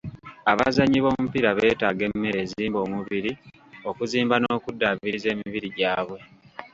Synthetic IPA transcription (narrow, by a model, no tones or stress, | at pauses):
aβa̰zaɲiβo̞ːmupiɾaβe̞ːtaːɡe̞mːe̞ɾe̞ːziiːmbo̞ːmuβiɾi | o̞kuziːmbanoːkudːaβiɾize̞ːmiβiɾiɟaːβwe̞